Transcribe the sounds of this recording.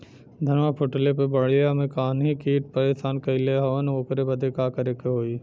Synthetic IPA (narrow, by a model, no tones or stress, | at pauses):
d̪ʱɐnmapʰoʈlepebɐɽ̤ijamẽkaːnɦikiːʈ̚pəɾeːʃaːnkɐɪleɦɐʋənoːkɾebɐd̪ʱekaːkəɾekeɦoːiː